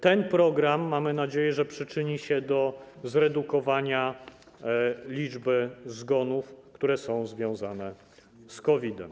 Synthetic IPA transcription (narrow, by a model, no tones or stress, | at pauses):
t̪ɛnpɾɔɡɾamːamɘnad͡ʑejɛʐɛpʂɘt͡ʂɘɲiɕɛd̪ɔzɾɛd̪ukɔvaɲa | lʲid͡ʐbɘzɡɔnufkt̪uɾɛsɔ̃w̃zvʲjɔ̃w̃zanɛ | skɔvʲid̪ɛ̰m